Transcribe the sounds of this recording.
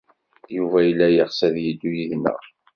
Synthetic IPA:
juvæjlːæjəʁsæðjid̪ːujiðnə̰

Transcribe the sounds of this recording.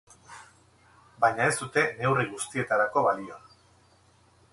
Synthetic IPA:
bajɲae̞st̪ut̪e̞ne̞wriɣ̞ust̪ie̞t̪aɾako̞βalion

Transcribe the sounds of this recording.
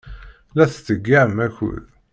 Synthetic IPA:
læθθəɡːaʕmæçʊ̰l

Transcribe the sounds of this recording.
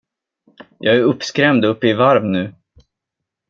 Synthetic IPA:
jʔɑːɡæɾɵpːskɾɛmd̪ɵpːɪvaɾmnʉ̟ː

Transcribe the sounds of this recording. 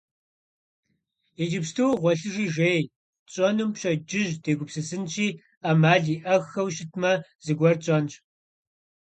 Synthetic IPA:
ed͡ʒɪpstʰɨwʁʷɔɬɨʒiːʒeːj | t͡ʃʼɔnɨmɕɐd͡ʒɪʒd̥eːɡʷʊpsɨsɨnt͡ʃʰiː | amaːɮiːʔɐxɐwʃɪtʰmɐz̥ɨɡʷɔrt͡ɕʼɐnɕʼ

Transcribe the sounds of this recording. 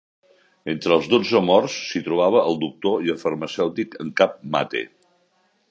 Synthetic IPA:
ent̪ɾəlˠzðod͡zəmɔrsːit̪ɾuβ̞aβ̞əʔːlˠd̪uk̚t̪oiəlˠfərməsɛwt̪ikəŋkap̚ma̰t̪ḛ

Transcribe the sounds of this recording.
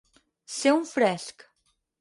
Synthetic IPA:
seũfɾɛsk

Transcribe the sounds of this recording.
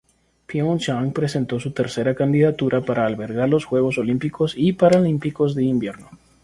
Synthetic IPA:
pjõnʃaŋpɾe̞se̞nt̪o̞sut̪e̞ɾse̞ɾakand̪iðat̪uɾʔapaɾʔaːlβe̞ɾɣaɾlo̞sxwe̞ɣ̞o̞so̞limpiko̞sipaɾalimpiko̞zðe̞imbje̞ɾno̞

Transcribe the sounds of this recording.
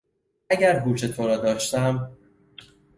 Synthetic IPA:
æɟæɾɦuːt͡ʃʰe̞t̪ʰoɾɒːd̪ɒːʃt̪æm

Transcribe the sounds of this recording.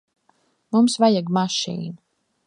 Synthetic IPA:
mumsvajaɡmaʃḭːna

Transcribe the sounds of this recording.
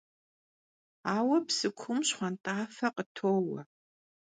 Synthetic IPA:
aːwɐpsɨkʷʰʊmɕχʷɐntʼaːfɐqʼətʰoːwɐ

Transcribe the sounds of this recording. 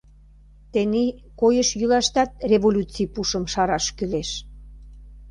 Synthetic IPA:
t̪enikojəʃjylɑʃt̪ɑt̪̚reβolʲut͡sipuʃə̆mʃɑɾɑʃkyleʃ

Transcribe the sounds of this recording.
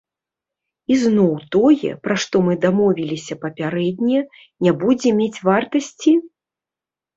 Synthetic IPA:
iznɔwt̪ɔjɛ̰pɾaʂt̪ɔmɨd̪amɔvʲilʲisʲɐpɐpʲaɾɛd̪ʲnʲɛ | nʲabud͡zʲɛmʲet͡sʲvart̪ɐsʲt͡sʲi

